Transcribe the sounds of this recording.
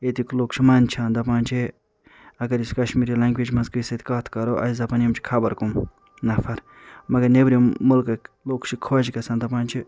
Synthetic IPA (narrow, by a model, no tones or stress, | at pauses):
et̪ikloːkt͡ʃʰimɐnt͡ʃʰand̪ɐpaːnt͡ʃʰi | ɐɡɐɾiskɐʃmiɾilaŋɡʋed͡ʒmɐnzkijsɐd̪kaːt̪ʰkɐɾoʔɐ̰szɐpanimt͡ʃʰi̥kʰɐbɐɾkum | nɐfʰɐɾ | mɐɡɐɾnebɾiːʊlkɐ | lokt͡ʃʰikʰod͡ʒkɐsaːnd̪ɐpãːnʲt͡ʃʰi